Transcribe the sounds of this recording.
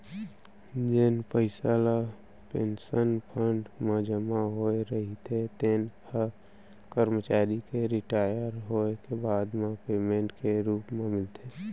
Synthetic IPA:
d͡ʒɪnpəɪsala | pensənpʰəɳɖməd͡ʒəmaɦoeɾəɦit̪ʰet̪eːnpʰə | kəɾmət͡ʃaːɾikeɾɪʈaːjəɾɦoːekebaːd̪mẽpeːmẽɳʈkeɾuːpmemɪlt̪e

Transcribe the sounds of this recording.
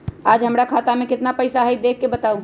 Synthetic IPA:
ad͡ʒɦəmɾakʰat̪amekɪt̪napəjsaɦəj̚d̪ekʰːebət̪au

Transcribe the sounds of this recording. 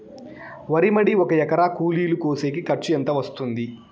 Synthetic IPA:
ʋɐɾimɐɽiɔkɐjɛkɐɾakuːliːlukoːse̞ːkikɐʈt͡ʃːuɐnt̪ɐʋɐst̪und̪i

